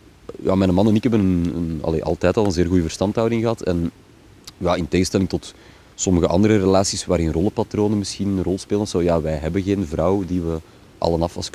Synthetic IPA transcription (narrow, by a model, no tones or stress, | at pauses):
ja̰ːmɛːnəmɑnɛnɪkɦɛbənənə̰nɑ̰lḛːʔɑ̰lˠtɛːtɑlˠənzeːrɣujəvər̥stɑntɦɑwdɪŋɣəɦɑtʰɛn | jaːɪnteːɣəstɛlɪŋtɔt | sɔməɣəʔɑ̰ndəɾərelaːsisʋaːɾɪnrɔlˠəpatɾoːnənmɪsxinənrɔlˠspeːlənsoːjaːʋɛjɦɛbənɣeːnvrɑwdiʋə | ʔɑ̰lənɑfɑ̰sk